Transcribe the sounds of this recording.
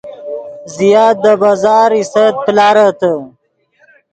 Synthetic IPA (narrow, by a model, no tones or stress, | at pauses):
zijaːt̪̚d̪əbazɑːɾisət̪̚plɑːɾat̪ə